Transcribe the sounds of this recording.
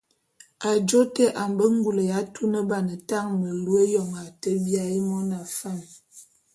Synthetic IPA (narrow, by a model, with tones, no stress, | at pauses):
a˨d͡ʒo˦te˦ʔa˨m˨bə˦ŋ̩˦ɡu˦˨lə˨ja˨˦tʰu˦nə˦ba˨nə˨ta˦˨ŋmə˨lu˦e˦jɔ˨ŋa˨tə˦bja˦i˦mɔ˦na˨fa˦˨n